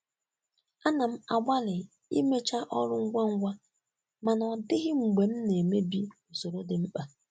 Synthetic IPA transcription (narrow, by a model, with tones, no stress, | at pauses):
a˦na˨m̩˦a˨ɡ͡bʷa˦lɪ˨ | ḭ˦me˦t͡ʃa˦ʔɔ˦ɾʊ˦ŋ̩˦ɡʷa˦ŋ̩˦ɡʷa˦ | ma˨nɔ˨dɪ˦ɣɪ˦ŋ͡m̩˨ɡ͡be˨m̩˦ne˨me˦bi˦o˨so˨ɾo˦dɪ˨m̩˦k͡pa˨